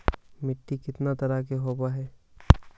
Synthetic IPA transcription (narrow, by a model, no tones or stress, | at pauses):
mɪʈːikɪt̪nat̪ɐɾakeɦoːbaɦɛː